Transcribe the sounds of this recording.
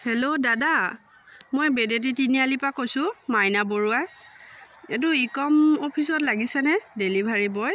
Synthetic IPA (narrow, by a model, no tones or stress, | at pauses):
hɛlodada | mojbedet̬itinialipakojsʊmajnaboɹua | ɛt̬ʊikɔmopʰisɔtlaɡisɛnɛdelibʱaɹibɔj